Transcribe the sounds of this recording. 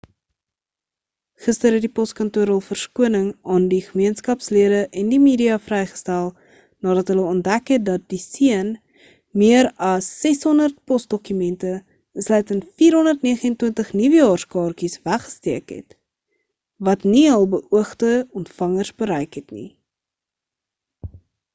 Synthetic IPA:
χəstəɾɦɛtdipɔstkɐntuəɾəlˠfərskuənəŋɑːndiχəmiənskɐpsliəɾəʔɛndimiːdiɑfrɛjχə̥stælˠ | nɑːɾɐtɦələɔnt̚dækɦɛt̚dɐt̚disiən | miəɾɐsːɛsɦɔndərt̚pɔsd̥ɔkymɛntə | əslɛjtəntfiːɾɦɔndərtniəχəɛntwəntəχnivəjɑːrskɑːrkisvæχə̥stiəkɦɛ̰t | vɐtniɦəlˠbəʔuəχtəɔntfɐŋərsbəɾɛjkɦɛtnḭ

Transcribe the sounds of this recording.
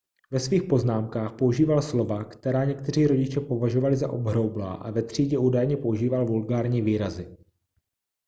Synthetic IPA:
vɛsviːxpo̞znaːmkaːxpo̞uʒiːvalslo̞vakt̪ɛɾaːɲɛkt̪ɛr̝iːɾo̞ɟɪt͡ʃɛpo̞vaʒovalɪza̰ʔobɦɾowbla̰ːʔa̰vɛt̪r̝̥iːɟɛuːdajɲɛpouʒiːvalvulɡaːɾɲiːviːɾazɪ

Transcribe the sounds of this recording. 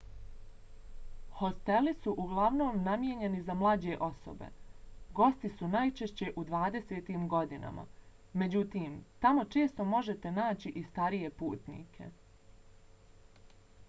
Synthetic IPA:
ho̞st̪e̞lisuʔuɡlˠaʋno̞ːmnamjeɲe̞nizamlˠaːd͡ʑe̞ʔo̞so̰bḛɡo̞st̪isunajt͡ʃe̞ʃt͡ɕe̞ʔud̪ʋaːd̪e̞seːt̪iːmɡo̞d̪ina̰mʔa̰ | me̞d͡ʑut̪iːmt̪amo̞t͡ʃe̞ːst̪o̞mo̞ʒe̞t̪e̞naːt͡ɕiʔist̪aɾije̞pṵːt̪nḭːkʰe̞̰

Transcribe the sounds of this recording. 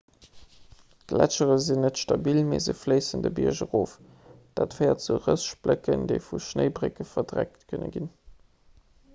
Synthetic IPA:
ɡ̥læt͡ʃəʁəzinətʃtɑbilmezəfləɪsəndəbiɐʒəʁoːf | d̥aːtfɜɪɐtt͡suʁəsʃb̥ləkəndeɪfuʃnəɪbʁekəfɐdʁæk̚tkʰənə̰ɡin

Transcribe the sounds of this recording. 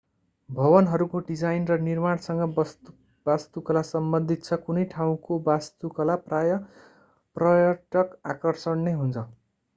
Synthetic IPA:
bʱʌβʌnɦʌɾukoɖid͡zajnrʌnirmaɽsʌŋɡʌʌ | bast̪ukʌlasʌmbʌnd̪ʱit̪̚t͡sʰʌkunʌjʈʰaw̃kobast̪ukʌlaprajʌ | prʌjʌʈʌkakʌrsʌɳneɦunt͡sʰʌ

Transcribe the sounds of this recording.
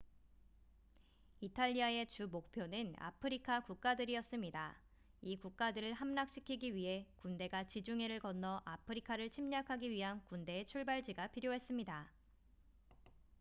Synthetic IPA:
itʰaʎːiae̞t͡ɕumok̚pʰjonɯna̰pʰɯɾikʰakuk̚k͈adɯɾiʌs͈ɯmɲida | ikuk̚k͈adɯɾɯɭɦamnak̚ɕ͈ʰi̥kʰiɡiɥiɦe̞kunde̞ɡat͡ɕid͡ʑuŋeɾɯɭkʌnːʌʔapʰɯɾikʰaɾɯɭt͡ɕʰimɲakʰaɡiɥiɦankunde̞ːt͡ɕʰuɭbaɭd͡ʑiɡapʰiɾjoɦe̞s͈ɯmɲida

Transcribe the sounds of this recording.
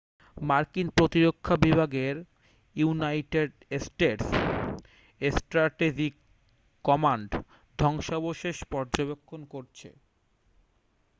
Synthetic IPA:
maɾkinpɾot̪iɾokʰːabibʱaɡeɾ | junajʈeɖ | sʈeʈs | esʈɾaʈed͡ʑikː | ɔmaɳɖ | d̪ʱɔŋʃaboʃeʃpɔɾd͡ʑobekʰːonkoɾt͡ɕʰḛ

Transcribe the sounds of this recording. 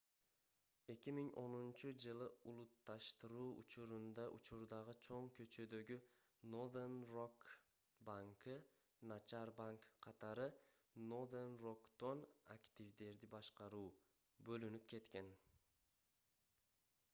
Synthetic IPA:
e̞kʲimiŋo̞nunt͡ʃud͡ʒɯlˠɯulˠut̪ːɑʃt̪ɯɾuːʔṵt͡ʃuɾund̪ɑʔṵt͡ʃuɾd̪ɑʁɯt͡ʃʰo̞ŋkø̞t͡ʃø̞d̪ø̞ɡy | nod̪enrok | baŋkɯ | nat͡ʃaɾbaŋkːʰɑt̪ɑɾɯ | nod̪enro̞kt̪o̞na̰kt̪ʲivd̪e̞ɾd̪ibɑʃqɑɾuː | bø̞lynyp̚ke̞t̪ke̞n

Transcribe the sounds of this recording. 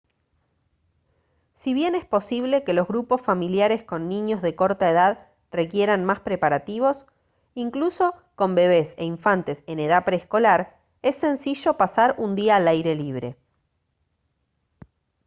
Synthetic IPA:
siβje̞nespo̞siβ̞le̞ke̞lozɣɾupo̞sfamiljaɾe̞sko̞nːĩɲo̞zðe̞ko̞ɾt̪aeð̞að | re̞kje̞ɾanmaspɾe̞paɾat̪iβ̞o̞s | iŋkluso̞ | ko̞mbe̞β̞e̞sḛiɱfant̪e̞se̞ne̞ð̞apɾeːsko̞laɾ | e̞sːe̞nsiʒo̞pasaɾund̪iaːlajɾe̞liβ̞ɾe̞̰

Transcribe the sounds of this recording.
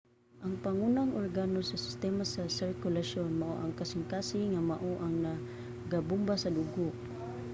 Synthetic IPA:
ʔaŋpaŋunaŋʔoɾɡanosɐsɪ̥st̪ɛmasasɪɹkʊlaʃonmaʔo̰ʔaŋkasɪŋkasɪŋŋːamaʔoʔaŋna | ɡabʊmbasaduɡoʔ

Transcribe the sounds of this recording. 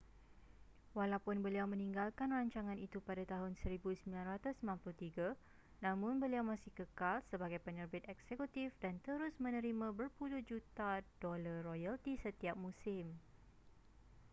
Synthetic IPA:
walapʊnbəliawmə̃nĩŋɡalkanraɲt͡ʃaŋãnit̪upadat̪aɦʊnsəɾibusəmbilanrat̪ʊsəmanplʊt̪iɡa | nãmʊ̃nbəliawmãsɪhkəkalsəbaɡajpəɲərbɪt̪̚ɛksekut̪ifdant̪əɾʊsmə̃nə̃ɾimãbərpulʊhd͡ʒut̪adolarojalt̪isət̪iap̚mũsɪm

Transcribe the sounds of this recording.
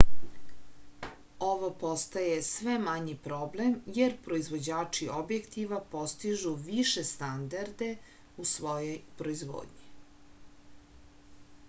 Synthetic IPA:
oʋopost̪ajesʋemaɲipɾo̞ble̞mjeɾpɾo̞izʋo̞d͡ʑaːt͡ʂiobjekt̪iʋapo̞st̪iʒuʋiʃest̪and̪aɾd̪e̞ | usʋojojpɾo̞izʋo̰ːd̪ɲi

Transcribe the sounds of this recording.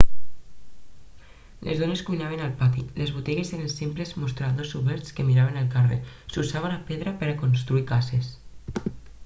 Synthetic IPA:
lʔḛzðoneskujnaβ̞enalpat̪ilezβut̪ɛɣeseɾensimplezmust̪ɾaðosuβɛɾt̪skemiɾaβ̞enalˠkarḛ | susaβ̞enapeðɾapeɾakonst̪ɾuikases

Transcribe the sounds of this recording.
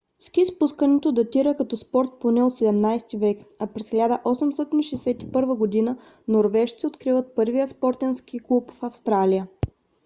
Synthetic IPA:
skʲispuskənɛt̪od̪ɐt̪iɾəkɐt̪ɔspɔɾt̪̚ponɛot̪sɛd̪ɛmnajst̪ivɛkɐpɾɛsxʲilʲad̪əʔɔsɛmst̪ɔt̪inʃɛjsɛt̪i̥pɤɾvəɡod̪inə | noɾvɛʃt̪siot̪kɾivət̪̚pɤɾvijəspɔɾt̪ɛnskiklˠupfɐfst̪ɾalijə

